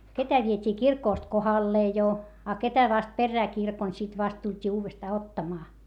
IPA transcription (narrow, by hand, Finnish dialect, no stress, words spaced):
ketæ ʋietʲiː kirkoˑst kohɑlːeː jo ɑ ketæ ʋɑst perːæː kirkon sit ʋɑst tultʲiː uːʋestɑː otːɑmɑː